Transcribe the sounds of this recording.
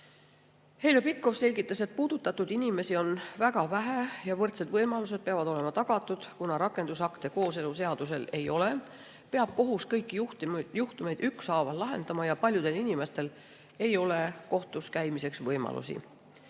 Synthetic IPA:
he̞lopit̪̚ko̞fse̞lʲɡ̥it̪ːˑɑse̞t̪̚puːd̪̥ut̪ːˑɑt̪ːud̪inime̞sio̞nvæɡ̥ɑvæɦæjɑvɤrt̪se̞d̪̥vɤjmɑlus̬e̞d̪̥̚pe̞ɑvɑd̪o̞le̞mɑt̪ɑɡ̥ɑt̪ːˑud̪̥kunɑɾɑkːˑe̞nd̪̥usɑkt̪e̞ko̞ːse̞luse̞ɑd̪use̞le̞jo̞le̞ | pe̞ɑb̥̚ko̞ɦuskɤjkˑːiuht̪juht̪ume̞jd̪yksɑːvɑlːɑɦe̞̰nd̪ɑmɑjɑpɑlʲjud̪̥e̞linime̞st̪e̞l | e̞jo̞le̞ko̞ht̪uskæjmise̞ksvɤjmɑ̰lṵsḭ

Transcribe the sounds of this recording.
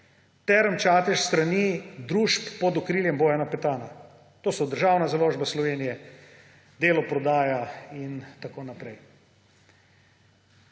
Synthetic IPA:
t̪ɛɾəmt͡ʃaːt̪ɛʃst̪ɾanid̪ɾuʃpːɔd̪ɔkɾiːljɛmboːjanapɛt̪aːna | t̪oːsɔd̪əɾʒawnazaloːʒbaslɔʋeːnijɛ | d̪eːlɔpɾɔd̪aːjaint̪akoːnapɾɛj

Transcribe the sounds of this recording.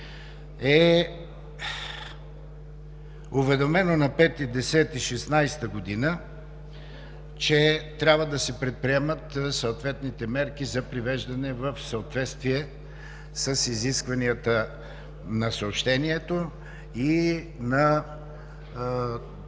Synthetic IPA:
ɛ | uvɛd̪omɛnonɐpɛt̪id̪ɛsɛt̪iʃɛsnajst̪əɡod̪inə | t͡ʃɛt̪ɾʲabvəd̪ɐsɛpɾɛt̪̚pɾiɛmət̪sɐot̪vɛt̪nit̪ɛmɛɾk̟izɐpɾivɛʒd̪ɐnɛvɐfsɐot̪vɛt̪st̪viɛ | səsiziskvɐniət̪ə | nɐsəopʃt̪ɛniɛt̪o | i | nɐ

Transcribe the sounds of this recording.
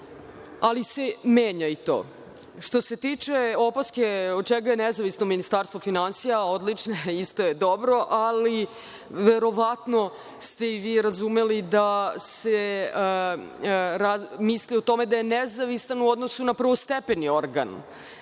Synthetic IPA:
alise̞meːɲait̪o̰ː | ʂt̪o̞se̞t̪iːt͡ʂe̞opaskeod̪̚t͡ʃɛɡajenezaʋisno̞minist̪aɾst̪vofinansijaod̪lit͡ʂneist̪o̞jed̪o̞bɾo̞ʔali | ʋe̞ɾo̞ʋat̪no̞ | st̪e̞iʋiːɾazume̞lid̪ase | ɾamisliot̪o̞me̞d̪aje̞nezaʋisanuod̪nosunapr̩ʋost̪epenio̞ɾɡa̰n

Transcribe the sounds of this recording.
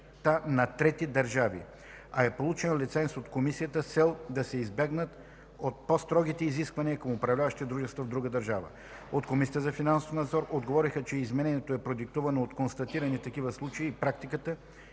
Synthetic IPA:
t̪anɐt̪ɾɛt̪id̪ɐɾʒavḭ | ɐɛpolˠut͡ʃɛnlʲit̪sɛnsot̪komisijət̪əsɛlˠd̪ɐsɛizbɛɡnət̪ | ot̪̚pɔst̪ɾɔɡ̟it̪ɛiziskvɐniəkɐmopɾɐvlʲavəʃt̪it̪ɛd̪ɾuʒɛst̪vəvd̪ɾuɡəd̪əɾʒavə̰ | ot̪komisʲijət̪zɐfinansofnɐd̪zɔɾod̪ɡovɔɾixət͡ʃɛizmɛnɛnijɛt̪oɛpɾod̪ik̚t̪uvɐnoot̪konst̪ɐt̪iɾənit̪ɐkivəslˠut͡ʃɐiːpɾak̚t̪ikət̪ə

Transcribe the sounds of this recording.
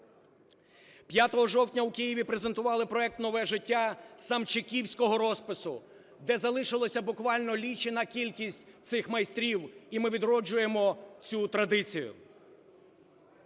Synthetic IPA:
pʲjat̪ɔɦɔʒɔwtʲnʲɐwkijiʋʲipɾezent̪ʊʋɑlˠɪpɾɔɛk̚t̪nɔʋɛʒɪtʲːasɐmt͡ʃɪkʲiwsʲkɔɦɔɾɔspɪsʊ | d̪ɛzɐlˠɪʃɪlˠɔsʲɐbʊkʋɑlʲnɔlʲit͡ʃɪnɐkʲilʲkʲisʲtʲt̪sɪxmɐjst̪ɾʲiwimɪʋʲid̪ɾɔd͡ʒʊje̞mɔt͡sʲut̪ɾɐd̪ɪt͡sʲijʊ̰

